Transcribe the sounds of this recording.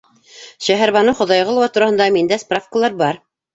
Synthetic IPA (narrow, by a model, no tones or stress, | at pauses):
ʃæɦæɾβɑnɤχŏðɑjʁɤlˠwɑt̪uɾɑhɤ̆nd̪ɑmind̪æsprafkəlˠɑɾbɑɾ